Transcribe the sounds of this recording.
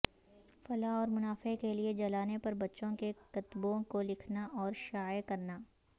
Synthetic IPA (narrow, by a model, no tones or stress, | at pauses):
fɐlaɔːɾmʊnaːfekelied͡ʒɐlaːnepɐɾbɐtːʃõkekɐt̪bõkolɪkʰnaʔɔːɾʃaːjkɐɾnaː